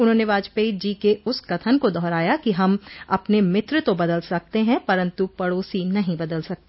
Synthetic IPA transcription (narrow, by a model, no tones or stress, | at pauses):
ʊnɦõːneʋaːd͡ʒpeid͡ʒiːkeʊskɐt̪ʰənkod̪ɔːɾaːjakiɦɐmɐpnemɪt̪ɾt̪obɐd̪əlsɐk̚t̪eɦɛ̃pɐɾə̃nt̪upɐɽoːsinɐɦĩbɐd̪əlsɐk̚t̪e